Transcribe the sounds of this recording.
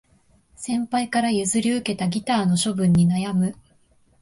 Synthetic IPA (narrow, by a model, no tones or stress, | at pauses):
sẽ̞mpaikaɾajɯ̟zɨɾʲiɯ̟ke̞t̪aɡʲit̪aːno̞ɕo̞bɯ̟̃ɲ̟ːinajamɯ̟